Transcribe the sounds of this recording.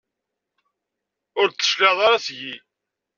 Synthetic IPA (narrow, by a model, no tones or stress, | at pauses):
ʊɾt͡sːə̥ʃkɑðˤɑɾˤɑsʝi